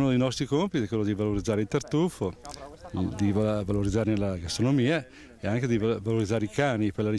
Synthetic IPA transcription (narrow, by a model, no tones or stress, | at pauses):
nod̪ejnɔst̪ɾikompit̪ikwelːod̪ivaloɾid̪zːaːɾeilt̪ert̪ufo | d̪ivvaloɾid̪zːaːɾenelaɡast̪ɾonomiːa | eaŋk̟ed̪ivaloɾid̪zːaːɾeikaːnipeɾlaɾi